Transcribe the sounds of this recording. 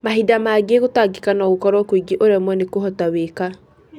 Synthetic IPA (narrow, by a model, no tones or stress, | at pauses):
maɦidamaːɡeɣotaɡekanɔɣokɔɾwɔkwiɡeʔoɾɛmwɛnekoɦɔtaweka